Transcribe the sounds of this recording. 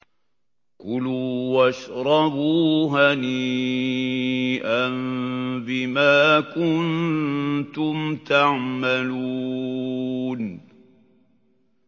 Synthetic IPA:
kʊluːwaʃɾˤɑbuːɦani | ʔanbɪmaːkʊn | t̪ʊmt̪aʕmaluː | n

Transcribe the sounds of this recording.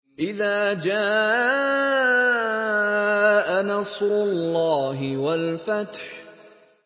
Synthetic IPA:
ʔɪðaːd͡ʒaː | ʔanɑsˤɾʊlːɑːɦɪwalfat̪ħ

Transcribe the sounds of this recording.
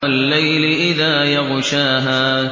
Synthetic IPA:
alːajlɪʔɪðaːjɑɣʃaːɦaː

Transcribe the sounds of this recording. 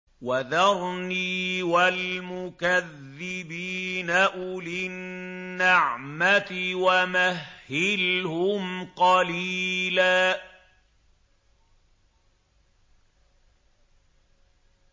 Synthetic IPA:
waðɑɾˤniːwalmʊkaðːɪbiːnaʔʊlɪnːaʕmat̪ɪwamahːɪlhʊmqɑliːlaː

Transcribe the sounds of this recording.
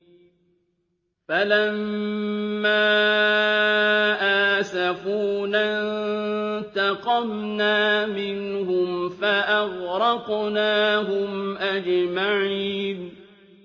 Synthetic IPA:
falamː | aː | ʔaːsafuːnan | t̪ɑqɑmnaːmɪnhʊmfaʔaɣɾɑqnaːɦʊmʔad͡ʒmaʕiːn

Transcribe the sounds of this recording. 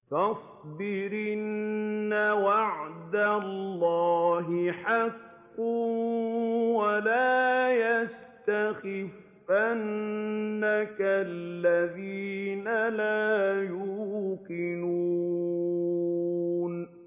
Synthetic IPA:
tɑsˤ | d̪ɪɾɪnnːawaʕd̪alːɑːɦɪħɑkː | ʊ | walaːjast̪axɪɪfːanː | akalːaðiːnalaːjuːkɪnu | n

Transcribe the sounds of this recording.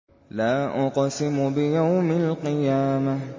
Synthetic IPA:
laːʔʊqɑsɪmʊbɪjawmɪlqɪjaːma

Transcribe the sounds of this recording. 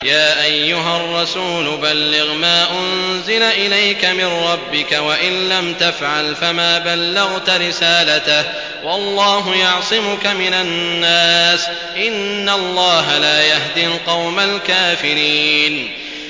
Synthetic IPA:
jaːʔajːʊɦarˤːɑsuːlʊbalːɪɣmaːʔʊnzɪlaʔɪlajkamɪnɾˤɑbːɪkawaʔɪnlamt̪afʕalfamaːbalːɪɣt̪aɾɪsaːlat̪ah | wɑlˤːɑːɦʊjɑʕsˤɪmʊkamɪnanːaːs | ʔɪnːalˤːɑːɦalaːjaɦd̪ilqɑwmalkaːfɪɾiːn

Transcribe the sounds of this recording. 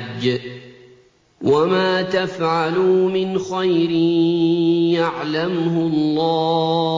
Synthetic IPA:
d͡ʒː | wamaːt̪afʕalumɪnxajɾɪ | jaʕlamhʊlˤːɑː

